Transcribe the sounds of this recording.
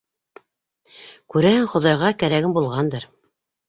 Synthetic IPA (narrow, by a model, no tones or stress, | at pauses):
kʉɾæhɘŋχŏðɑjʁɑkæɾæɡɘmbulˠʁɑnd̪ɤɾ